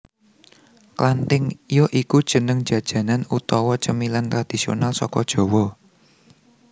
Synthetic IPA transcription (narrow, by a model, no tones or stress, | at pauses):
klant̪ɪŋjɔʔikud̥ʒ̥ə̤nəŋ̥ʒ̥ä̤d̥ʒ̥ä̤nanut̪ɔwɔt͡ʃəmilant̪ɾad̪̥i̤sio̰nalsɔkɔd̥ʒ̥ɔ̤wɔ